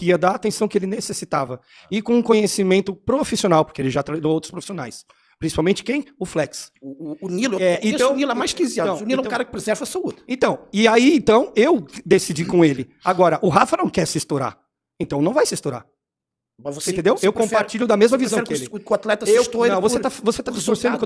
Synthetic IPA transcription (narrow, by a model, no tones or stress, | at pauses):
kɪiɐd̪aɾat̪ẽsɐ̃w̃kɪelɪnesesit̪avɐ | ɪkõũkõɲesimẽnt̪ʊpɾofisionawpʊɾkeelɪʒat̪ɾɐad̪oowt̪ɾʊ̥spɾofisiona̰js | pɾĩsi̥pawmẽnt͡ʃɪ̥kẽj̃ʊflɛksːnilʊɛwɛẽt̪ɐ̃w̃nilɛmajskiziaɐ̃wunĩlɛ̃kaɾɐkɪ̥pɾezɛɾvɐsoud̪ʊẽnt̪ɐ̃w̃ɪaiẽt̪ɐ̃w̃ewd̪esid͡ʒikõelɪaɡɔɾɐʔʊɦafɐnɐ̃w̃kɛɾsist̪oɾa̰ | ẽnt̪ɐ̃w̃nɐ̃w̃vajsɪst̪oɾa̰ | mɐvosẽt̪ẽd̪ewewkõpaɾt͡ʃiʎʊd̪ɐmezmɐvizzɐ̃wɛɾkɪelɪkat̪lɛt̪ɐewt̪onɐ̃w̃vosset̪avoset̪ad͡ʒiskoɾsẽnd̪ʊk